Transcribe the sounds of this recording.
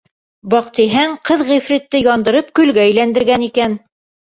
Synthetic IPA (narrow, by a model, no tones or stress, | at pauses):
bɒqt̪iɦæŋqɤðʁifrit̪ːɘjɑnd̪ɤ̆ɾɤp̚kɵ̆lɡæɵ̆jlænd̪ɘ̆ɾɡænikæn